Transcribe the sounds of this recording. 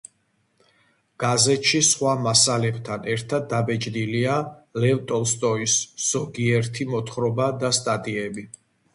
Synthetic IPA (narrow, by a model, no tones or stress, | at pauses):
ɡ̥azɛt̪ʃisχwamasalɛbt̪ʰanɛɾt̪ʰad̪ːabɛd͡ʒʼd̪ilialɛvt̪ʼɔlst̪ʼɔisz̥ɔɡiɛɾt̪ʰimɔt̪ʰχɾɔbad̪ast̪ʼat̪ʼiɛbi